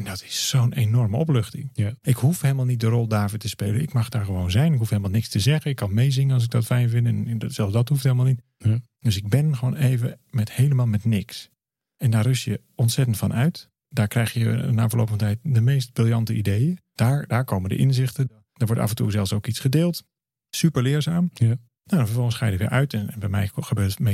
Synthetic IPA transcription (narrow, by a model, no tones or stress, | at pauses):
ɛndɔtɪ̥sːownejnɔrməɔpløxtɪ̰ŋɪkhufhelˠmalˠnit̚dərɔlˠdaːɹvoːtəspejlənɪkmɑxdaːɹχəʋownzɛjnɪkɦufhelˠəmalˠnɪkstəzɛɣəɪkːɑnmejzɪŋənɑlˠs̬ɪɡ̚dɔtfɛjnvɪntɛnsɛlˠsdɔthufthelˠmalˠnit | døsɪɡ̚bɪnχəʋoːneːvəmɛthejlˠəmaːlˠmɛtnɪks | ɛndaːrʏsjə | ɔntsɛtəntfɑnʔœɥt | daːɹkrɛjxjəəndanfəlowpəfɔntɛjt̚dəmejst̚brɪlˠjɑntəidejəd̥aːɹdaːɹkowməndə̰ʔɪnzɪxtə | d̥ɔːɹʋɔɹta̰fəntuɹzɛlˠsowkitsχədɪːlˠt | sypəɹlɪːɹzaːm | nadɔnfəɹvɔlˠənsχaːjədɪtʋɪ̰ʔœɥtɛnnbɛjmɛ̰jxəbøːtme